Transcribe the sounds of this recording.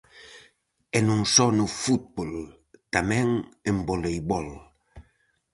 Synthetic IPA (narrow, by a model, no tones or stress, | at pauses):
ɛnũŋsɔnʊfut̪̚bol | t̪amɛ̃ŋẽmbolejβɔl